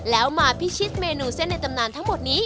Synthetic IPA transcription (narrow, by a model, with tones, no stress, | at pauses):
lɛː˦˥wmaː˧pʰi˦˥t͡ɕʰi˦˥t̪̚meː˧nuː˧se˥˩nːa˧jt̪a˧mnaː˧nt̪ʰa˦˥ŋmo˨˩t̪̚niː˦˥